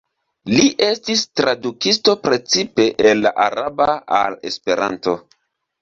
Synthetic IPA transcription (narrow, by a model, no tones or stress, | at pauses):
liʔe̞stistɾadukisto̞pɾe̞t͡sipe̞ʔenːa̰ʔaɾabaale̞̰spe̞ɾa̰nto̞